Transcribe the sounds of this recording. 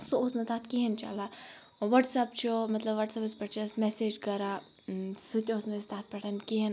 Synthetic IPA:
soosnɐt̪aːt̪ʰkiɦɐnt͡ʃɐ̰la | ʋɐʈsɐp̚t͡ʃʰomɐt̪lɐbʋɐʈsɐpɨspɐʈt͡ʃʰismeseːd͡ʒkɐɾa | sɨt̪ʲoːsnɐst̪aːt̪̚ʰpɐʈʰɐnkiɦɐn

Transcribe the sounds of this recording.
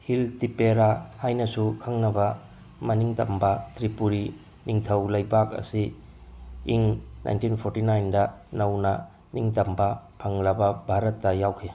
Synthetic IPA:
hiltipeɾahajnɐsukʰaŋnɐbɐ | mɐniŋtɐmbɐtʰɾipuɾi | niŋtʰɐwlɐjbak̚ɐ̰si | iŋnʔa̰jntinpʰoɾtinajndɐnɐwnɐ | niŋtɐmbɐpʰɐŋlɐbɐbʱaɾɐtːɐjawkʰe

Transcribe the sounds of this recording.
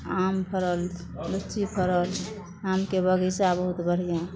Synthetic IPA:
ampʰəɾəl | lut͡ʃipʰəɾəl | amkebəɡisabəɦut̪bəɽ̤ija

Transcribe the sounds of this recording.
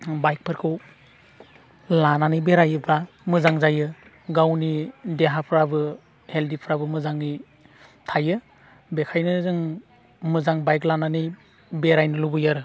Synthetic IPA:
bajk̚pʰɯɾkʰɯw | lananɯjbeɾajɯba | mɯzaŋzajɯ | ɡawnideɦapʰɾabɯ | heldipʰɾabɯmɯzaŋi | tʰajɯ | bekʰajnɯzɯŋ | mɯzaŋbajklananɯj | beɾajnɯlubɯjaɾɯ

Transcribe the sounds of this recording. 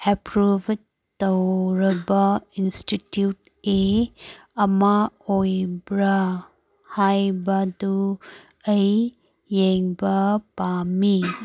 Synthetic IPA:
epɾub | tːɐwɾɐbɐinstitjut | e | ɐmaojbɾɐ | hajbɐdu | ɐjː | eŋbɐpami

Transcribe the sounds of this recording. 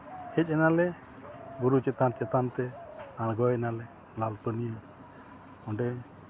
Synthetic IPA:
hɛc̚ˀɛnalɛ | ɡuɾut͡ʃɛt̪ant͡ʃɛt̪ant̪ɛalɡɔɛnalɛ | lalpənija | ɔɖɛ

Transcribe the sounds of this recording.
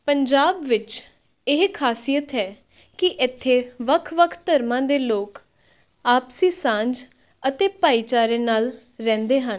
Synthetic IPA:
pəɲd͡ʒaːbʋɪt͡ʃ | ɪɦkʰaːsijət̪ɦɛː | kɪʔɪt̪ʰːeːʋəkʰʋəkʰt̪əɾmãːd̪eːloːk | aːpsiːsãːɲd͡ʒ | ət̪eːpaːiːt͡ʃaːɾeːnaːl | ɾɛ̃ːnd̪eːɦən

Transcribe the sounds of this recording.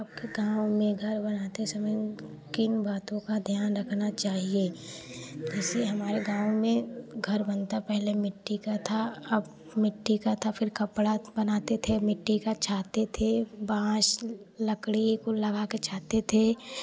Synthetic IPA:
əb̚keɡãːwmẽɡʱɐɾbɐnaːt̪esɐməj | kɪnbaːt̪õkad̪ʱjaːnɾɐkʰnat͡ʃaːɦieː | d͡ʒɛːseɦɐmaːɾeɡãːʋmẽɡʱɐɾbɐnt̪apɛɦlemɪʈːikat̪ʰaɐb | mɪʈːikat̪ʰafʰɪɾkɐpɽabɐnaːt̪et̪ʰemɪʈːikat͡ʃʰaːt̪et̪ʰebãːʃ | lɐkɽikolɐɡaket͡ʃʰaːt̪et̪ʰe

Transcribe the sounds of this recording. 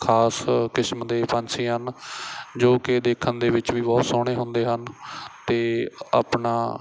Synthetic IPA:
kʰaːskɪsmd̪eːpə̃nsiːɦən | d͡ʒoːkɪd̪eːkʰənd̪eːʋɪt͡ʃʋiːbɔːt̪soːɽ̃eːɦʊ̃nd̪eːɦənt̪eːa̰ːpɳaː

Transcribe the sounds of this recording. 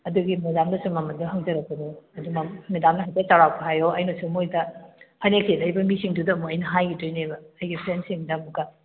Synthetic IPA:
ɐduɡimɐzamdɐsumɐmɐndɐɦɐŋd͡ʒɐɾɐk̚pɐnuɐdumɐmidamnɐɦajtɐt͡ʃaɾawpʰɐɦajoɐjnosumojdɐhɐnekʰelɐjbɐmisiŋdudɐːmuɐjnɐɦajɡitojnebɐːjɡipʰɾensimidamuɡɐ

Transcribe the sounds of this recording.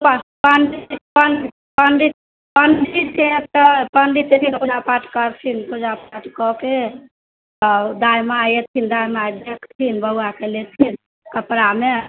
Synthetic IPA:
ppənɖipənɖ | pənɖi | pənɖitet̪əpəɳɖit̪et̪ʰinkud͡ʒapaʈkəɾt̪ʰinpud͡ʒapaʈkɔke | t̪ɔd̪ajmajet̪ʰind̪ajmaajd̪ekt̪ʰinbəɦuakelet̪ʰin | kəpɾame

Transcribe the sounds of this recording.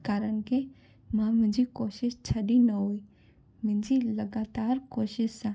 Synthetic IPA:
kaːɾənke | mãmɪ̃ɲd͡ʒikoːʃɪʃt͡ʃʰɐɖinɐɦuːi | mɪ̃nd͡ʒilɐɡaːt̪aːɾkoːʃɪʃsã

